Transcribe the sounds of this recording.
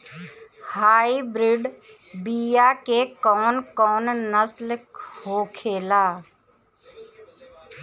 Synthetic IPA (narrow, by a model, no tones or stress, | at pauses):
haːibɾɪɖ | biːjakekɔːnkɔːnnəslkhoːkʰeːlaː